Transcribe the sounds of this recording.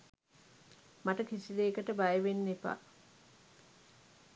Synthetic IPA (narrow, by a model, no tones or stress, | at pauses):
maʈəkisid̪eːkəʈəbajəʋenːepa̰ː